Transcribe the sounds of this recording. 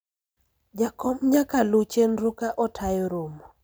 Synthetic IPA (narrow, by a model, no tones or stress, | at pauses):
d͡ʒakɔmɲakalut͡ʃenɾʊkaʔɔtʰajɔɾomɔ